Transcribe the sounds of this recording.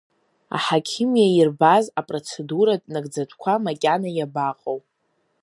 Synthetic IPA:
a̰ħakʲʰimijairbazapʼro̞t͡sʰe̞duɾadʼnaɡd͡zatʷʰkʷʰamakʲʼanajabaqʼowpʼ

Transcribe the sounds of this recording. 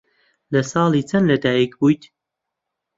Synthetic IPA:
lɐsɑːlˠiːt͡sʰɐnlɐd̪aːjikbujt̪

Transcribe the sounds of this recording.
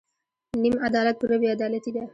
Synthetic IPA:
nimad̪ɑːlat̪̚pəɾawiad̪ɑlat̪id̪a

